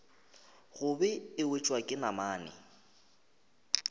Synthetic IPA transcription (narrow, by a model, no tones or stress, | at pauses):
ɣʊbɛɪwet͡ʃʼwakʼɪnamaːnɛ̰